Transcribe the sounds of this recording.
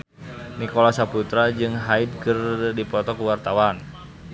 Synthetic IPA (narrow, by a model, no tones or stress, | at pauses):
nikɔlasaput̪ɾad͡ʒɨŋɦaid̚kɨrdipɔt̪ɔkuwart̪awan